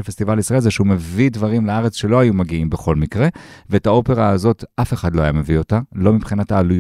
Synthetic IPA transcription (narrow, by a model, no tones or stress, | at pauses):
fest̪ivalisʁaelzeʃeume̞vidvɐʁimleaʁe̞t͡sʃe̞lo̞ajumaɡiimbeχo̞lmikʁe̞veːtao̞pe̞ʁaːzo̞tʔafe̞χadlo̞ajame̞vio̞talo̞mipχinataːluj